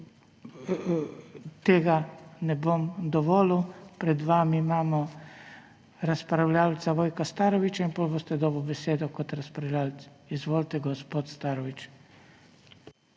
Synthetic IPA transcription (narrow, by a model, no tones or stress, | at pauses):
t̪eːɡanɛbomd̪ɔʋɔːlupɾɛd̪ʋaːmiimaːmɔ | ɾaspɾawlʲaːlt̪saʋoːjkast̪aːɾɔʋit͡ʃainpolbost̪ɛd̪ɔːbɔbɛseːd̪ɔkɔt̪ɾaspɾawlʲalt̪s | izʋoːlt̪ɛɡɔspoːt̪st̪aɾɔʋit͡ʃ